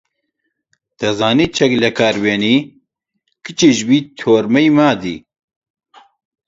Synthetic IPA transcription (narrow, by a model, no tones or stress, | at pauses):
t̪ɐzaːniːt͡ʃʰɛklɐkʰaːɾweːniː | kɨt͡ʃiʒbiːt̪ʰoːɾmɛjmaːd̪ḭː